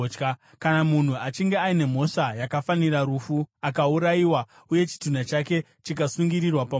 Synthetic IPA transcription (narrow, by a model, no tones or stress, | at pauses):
ka | kanamun̤uat͡ʃiŋɡe̞aine̞m̤o̞ʂajakafaniraɾufuakauɾajiwa | uje̞t͡ʃi̥tunat͡ʃake̞ | t͡ʃikasuŋɡiɾirwapa